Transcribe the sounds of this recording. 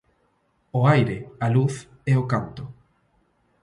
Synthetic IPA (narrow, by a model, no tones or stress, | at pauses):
oajɾealuθ | ɛokant̪ʊ